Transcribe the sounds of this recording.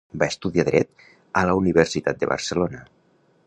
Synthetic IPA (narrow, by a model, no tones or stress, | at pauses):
baəst̪uðiaðɾɛ̰t̪ | ələuniβ̞ərsit̪at̪̚d̪ə̰βə̰rsəlonə